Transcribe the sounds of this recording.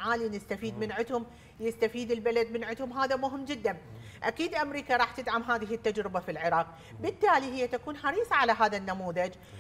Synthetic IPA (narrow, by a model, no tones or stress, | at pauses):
ʕaːlinɪst̪afiːd̪mɪnʕʊt̪hʊm | jɪst̪afiːd̪ɪlbalad̪mɪnʕʊt̪hʊmɦaːðamʊɦɪmːd͡ʒɪd̪ːan | ʔakiːd̪ʔamɾiːkaɾˤɑːħt̪ɪd̪ʕamɦaːðɪɦɪt̪ːad͡ʒɾɪbafilʕɪɾˤɑːq̚ | bɪt̪ːaːlihɪjːat̪akuːnħɑɾiːsˤɑʕalaɦaːðanːamuːðad͡ʒ